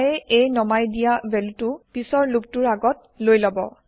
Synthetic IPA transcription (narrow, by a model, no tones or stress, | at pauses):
jɛʔejnɔmajdijabɛltupisɔɹluptuɹaɡɔt̚lojlɔbɔ̰